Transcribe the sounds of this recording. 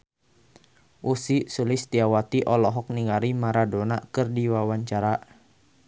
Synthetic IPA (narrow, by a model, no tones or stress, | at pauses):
ʔusisulɪst̪iawat̪iʔɔlɔɦɔk̚niŋaɾimaɾadonakɨrdiwawaɲt͡ʃaɾa